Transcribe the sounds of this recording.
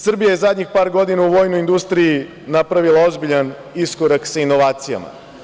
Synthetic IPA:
sr̩bijajezad̪ʲɲixpaːɾɡo̞d̪inauʋo̞ːjnoind̪ust̪ɾiji | napɾaʋilˠao̞zbiʎan | iskoɾaksaino̞ʋaːt̪sija̰ma̰

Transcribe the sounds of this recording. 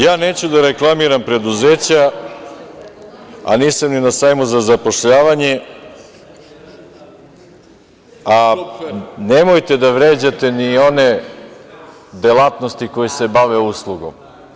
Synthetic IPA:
jaːne̞ːt͡ɕud̪aɾe̞klˠamiɾampɾe̞d̪uzeːt͡ɕa | a̰niːsamninasajmuzazapo̞ʃʎaːʋaɲe | a | nemojt̪e̞d̪aʋɾeːd͡ʑat̪e̞nio̞ne | d̪elˠat̪no̞st̪iko̞jese̞baʋeuslˠuɡo̞̰m

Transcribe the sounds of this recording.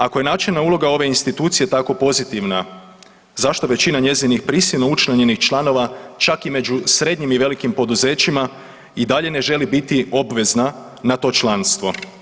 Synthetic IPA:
ako̞je̞nat͡ʃelˠnaulˠo̞ɡao̞ʋe̞inst̪it̪uːt̪sije̞t̪ako̞po̞zit̪iʋna | zaʃt̪o̞ʋe̞t͡ɕinaɲe̞zinixpɾisilˠno̞ut͡ʃlaɲe̞nixt͡ʃlˠano̞ʋat͡ʃakime̞d͡ʒusɾe̞d̪ɲimiʋe̞likimpo̞d̪uze̞ːt͡ɕima | id̪aʎe̞ne̞ʒe̞libit̪io̞bʋe̞zna | nat̪o̞ːt͡ʃlˠanst̪ʋo̞

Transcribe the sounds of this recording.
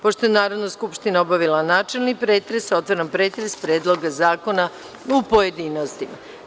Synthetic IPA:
po̞ʃt̪o̞jenaːɾoʋnoskupʃt̪inaobaʋilˠanaːt͡ʃe̞lˠnipɾeːt̪ɾesot̪ʋaɾampɾeːt̪ɾespɾeːd̪lˠoɡazaːko̞na | upo̞je̞d̪iːnost̪ima̰

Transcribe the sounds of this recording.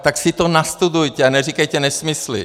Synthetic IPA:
t̪aksɪt̪onast̪udujc̪ɛanɛr̝ikajcɛnɛsmɪslɪ̰

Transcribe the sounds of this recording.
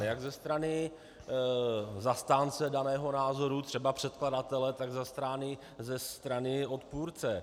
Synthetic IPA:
jaɡzɛst̪ɾanɪ | zast̪aːnt͡sɛdanɛːɦo̞naːzo̞ɾut̪r̝̥ɛbapr̥ɛt̪̚kladat̪ɛlɛt̪aɡzast̪ɾaːnɪ | zɛst̪ɾanɪo̞t̪puːɾt͡sɛ

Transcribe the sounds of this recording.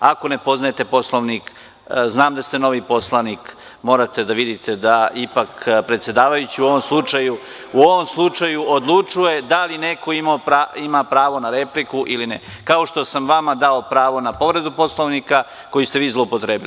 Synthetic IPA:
ako̞ne̞po̞znajet̪e̞po̞slˠoʋnik | znaːmd̪ast̪e̞no̞ʋipo̞slˠanik | mo̞ːɾat̪e̞d̪aʋid̪it̪ʰe̞d̪aʔipakpɾe̞t̪sje̞d̪aːʋajut͡ɕiuo̞ʋo̞mslˠut͡ʂaju | uo̞ʋo̞mslˠut͡ʂajuod̪lˠut͡ʂuje̞d̪aline̞ko̞imaoɾaimapɾaːʋo̞naɾe̞plikuʔilinḛ | kao̞ʃt̪o̞samʋamad̪ao̞pɾaːʋo̞napo̞ʋɾe̞d̪upo̞slˠoʋnika | ko̞jist̪e̞ʋiːzlˠoupo̞t̪ɾe̞ːbili

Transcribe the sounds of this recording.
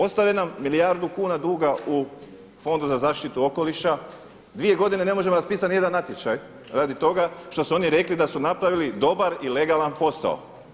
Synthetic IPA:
o̞st̪aʋenamːilijaɾd̪ukuːnad̪uːɡau | fo̞nd̪uzazaːʃt̪it̪uo̞ko̞liʃa | d̪ʋije̞ɡo̞d̪ine̞ne̞mo̞ʒe̞moɾaspiːsat̪nije̞d̪anːat̪je̞t͡ʃaj | ɾaːd̪it̪o̞ɡaʃt̪o̞suo̞niɾe̞klid̪asunapɾaʋilid̪o̞baɾile̞ɡalanpo̞sa̰o̰

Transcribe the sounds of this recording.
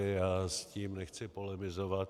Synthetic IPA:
ɪasciːmnɛxt͡sɪpolɛmɪzovat̪

